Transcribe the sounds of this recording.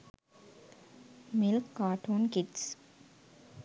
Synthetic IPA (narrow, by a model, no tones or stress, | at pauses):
mɪlkːaːʈʰoːnkɪʈs